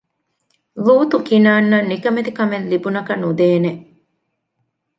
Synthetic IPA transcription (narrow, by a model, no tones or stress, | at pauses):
ʋuːt̪ukinaːnːɐnːikɐmed̪ikɐmenlibunɐkɐnud̪eːne